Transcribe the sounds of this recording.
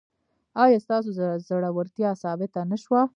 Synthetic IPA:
ɑjɑst̪ɑs̬ozaɽawəɾt̪jɑsɑbɪt̪anaʃwa

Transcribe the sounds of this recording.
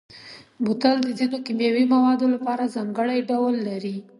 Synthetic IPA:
but̪ald̪əzinokimjawimawɑd̪olapɑɾazɑŋɡəɽajɖawlːaɾi

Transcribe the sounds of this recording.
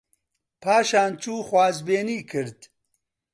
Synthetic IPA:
pʰaːʃaːnt͡ʃuːxwaːzbeːniːkʰɨɾd̪

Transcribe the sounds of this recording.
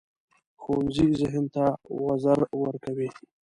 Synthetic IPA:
xonzizɪɦənt̪awazaɾwəɾkawi

